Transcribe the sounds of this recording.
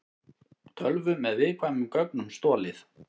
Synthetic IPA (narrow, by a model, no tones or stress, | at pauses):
t̪ʰœlvʏmɛðvɪðkʰvaːjmʏmkœknʏmst̪ɔːlɪθ